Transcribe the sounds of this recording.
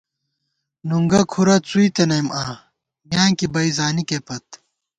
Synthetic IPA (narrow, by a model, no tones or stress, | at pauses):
nuŋɡɐkʰuɾɐt͡suit̪enɐjmʔaː | mjaːŋkibɐizaːnikepɐt̪